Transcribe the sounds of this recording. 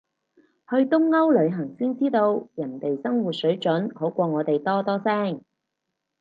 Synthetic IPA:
hɵ˧ɥt̪ʊ˥ŋːɐ˥wlɵ˨˧ɥɦɐ˨˩ŋsiː˥nt͡siː˥t̪o˧wjɐ˨˩nt̪e˨jsɐ˥ŋwu˨t̚sɵ˨˥ɥt͡ʃɵ˨˥nho˨˥wkʷɔː˧ŋɔː˨˧t̪e˨jt̪ɔː˥t̪ɔː˥sɛː˥ŋ

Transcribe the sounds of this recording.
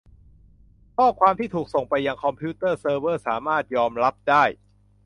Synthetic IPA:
kʰɔː˥˩kʰwaː˧mt̪ʰiː˥˩t̪ʰuː˨˩k̚so˨˩ŋpa˧jːa˧ŋkʰɔ˧mpʰiː˦˥t̪ɤː˥˩sɤː˧wɤː˥˩saː˩˦maː˥˩t̪̚jɔː˧mɾa˦˥p̚daː˥˩j

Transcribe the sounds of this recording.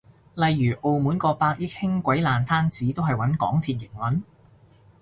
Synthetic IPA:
lɐ˨jːyː˨˩ʔo˨˧wmuː˨˥nkɔː˧paː˧k̚jɪ˥k̚hɪ˥ŋkʷɐ˨˥jlaː˨nt̪ʰaː˥nt͡siː˨˥t̪o˥wɦɐ˨jwɐ˨˥nkɔ̰ː˨˥ŋt̪ʰiː˧t̚jɪ˨˩ŋwɐ˨˥n

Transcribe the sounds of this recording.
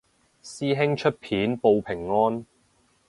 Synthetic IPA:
siː˥ɦɪ˥ŋt͡ʃʰɵ˥t̚pʰiː˨˥npo˨˧wpʰɪ˨˩ŋːɔː˥n

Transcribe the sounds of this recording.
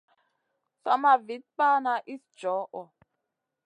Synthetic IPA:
sa˦ma˨vi˨˦t̚k͡pa˦na˨ʔi˦sd͡ʒɔ˨˦ʔɔ˨

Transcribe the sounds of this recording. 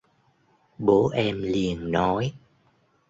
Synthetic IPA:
ɓo˨˦ʔɛ˧mli˨˩ənnɔ˨˦j

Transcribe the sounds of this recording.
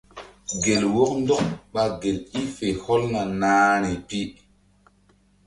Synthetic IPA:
ɡe˨lwo˦kndɔ˦ŋɓa˦ɡe˨li˦fe˨hɔ˦lna˨naː˦nɛ˨pi˦

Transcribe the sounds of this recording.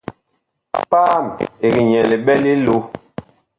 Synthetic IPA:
paː˦˨me˨ɣi˨ɲɛ˨le˨ɓɛ˦li˦lo˦

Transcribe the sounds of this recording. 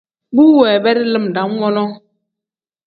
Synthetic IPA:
bu˦wɛ˨bɛ˦ɾi˦lɨ˦˨m˨da˨˦m˦wɔ˦lɔ˦

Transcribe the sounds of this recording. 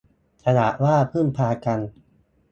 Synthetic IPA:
kʰa˧na˨˩ʔwaː˥˩pʰɯ˥˩npʰaː˧ka˧n

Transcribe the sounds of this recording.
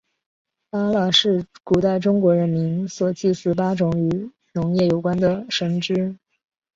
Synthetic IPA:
pa˥la˨˩ʂɻ̩˥˩ku˨˩t̪a˥˩ɪʈ͡ʂʊ˥ŋkwɔ˧˥ɻə˧˥nmi˧˥nswɔ˨˩t͡ɕi˥˧sɹ̩˥˩pa˥ʈ͡ʂʊ˧˥ŋy˧˥ | nʊ˧˥ŋjɛ˥˩jo˨˩ʊkwa˥nd̪ə˨ʂə˧˥ŋʈ͡ʂɻ̩˥

